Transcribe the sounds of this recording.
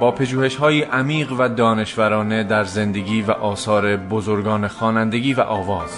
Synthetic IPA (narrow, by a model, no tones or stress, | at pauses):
bɒːpʰeʒuːhe̞ʃhɒːjiːʔæmiːɣvæd̪ɒːne̞ʃvæɾɒːne̞d̪æɾze̞nd̪e̞ɡiːvæ̰ʔɒːsɒːɾebozo̞ɾɡɒːnexɒːnænd̪e̞ɡiːvæ̰ʔɒːvɒːz̥